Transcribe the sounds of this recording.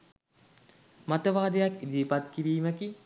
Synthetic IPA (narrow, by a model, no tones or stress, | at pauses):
mat̪əʋaːd̪əjakid̪iːpat̪kiʋiːməki